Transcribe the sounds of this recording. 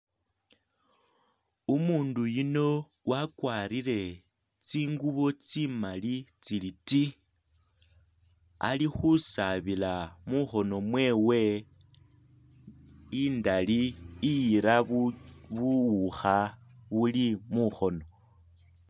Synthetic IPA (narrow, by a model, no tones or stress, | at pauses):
umuːndujino̞ | wakwaːɾile̞ | t͡siːŋɡuβo̞t͡simalit͡siliti | a̰lixusaβilamuxo̞no̞mwe̞ːwe̞ | indaliːjiɾa | βuwuxaβulimuxo̞no̞